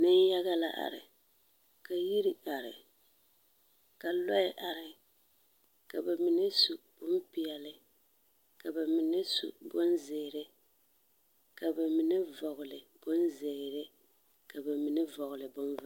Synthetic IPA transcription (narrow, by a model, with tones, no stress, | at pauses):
nɨ˦n˦ja˦ɣa˦la˦ʔa̰˨ɾɪ̰˨ | ka˨ji˦ɾi˦a˨ɾɪ̰˨ | ka˨lɔ˦ɪ˦ʔa˨ɾɪ˨ | ka˨bɛ˨mi˨nɨ˦su˨b̥ʊ˦mpi˨ɛ˨lɪ˦ | ka˨ba˨mi˨nɨ˦sṵ˨bʊ˦nzɪː˨ɾɪ˦ | ka˨bɛ˨mi˨nɨ˦vɔ˨ɣʊ˨lɪ˨b̥ʊ˦nze˨ɪ˨ɾɪ˦ | ka˨bɛ˨mi˨nɨ˦vɔ˨ɣʊ˨lɨ˨bʊ˦n˦